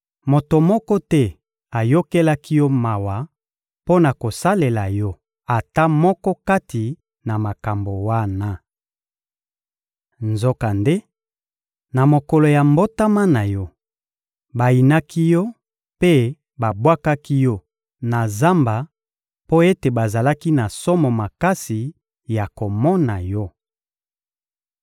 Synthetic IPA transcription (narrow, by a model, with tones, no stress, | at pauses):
mo˨to˨mɔ˦kɔ˦tɛ˦ | a˨jo˦ke˦la˦ki˦jɔ˦ma˨wa˨ | po˦na˨ko˨sa˦le˨la˨jɔ˦ | a˨ta˦mɔ˦kɔ˦ka˦tʰi˨ | na˨ma˨ka˨mbo˨wa˦na˦ | nzo˦ka˨nde˦ | na˨mo˨ko˨lo˨ja˨mbo˦ta˦ma˦na˨jɔ˦ | ba˨i˨na˦ki˦jɔ˦ | pe˦ | ba˨bwa˦ka˦ki˦jɔ˦ | na˨za˦mba˨ | po˦e˦te˨ba˨za˨la˦ki˦na˨sɔ˦mɔ˨ma˨ka˦si˨ | ja˨ko˨mɔ˦na˨jɔ˦